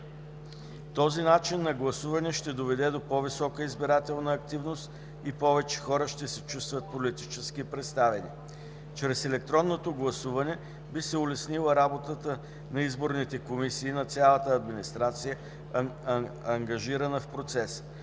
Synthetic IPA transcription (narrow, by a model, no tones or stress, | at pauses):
t̪ɔzinat͡ʃinːɐɡlˠɐsuvɐnɛʃt̪ɛd̪ovɛd̪ɛd̪opɔvisɔkəizbiɾat̪ɛlˠnəːk̚t̪ivnost̪ | ipɔvɛt͡ʃɛ̥xɔɾəʃt̪ɛsɛt͡ʃust̪vət̪̚polit̪it͡ʃɛskipɾɛt̪st̪avɛnḭ | t͡ʃɾɛsɛlɛk̚t̪ɾɔnːot̪oɡlˠɐsuvɐnɛ | bisɛʊlɛsnilˠəɾabot̪ət̪ə | nɐizboɾnit̪ɛkomisiːnɐt̪sʲalˠət̪əɐd̪minist̪ɾat̪sijə | ɐŋɡɐʒiɾənəfpɾot̪sɛs